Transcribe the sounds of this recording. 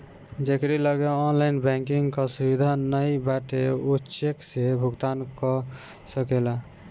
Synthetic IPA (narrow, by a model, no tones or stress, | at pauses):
d͡ʒekɾiləɡeɔnlainbɛ̃ŋkiŋɡkɔsubid̪ʱanəjbaʈeutːʃeksebʱuɡt̪ankɔ | səkela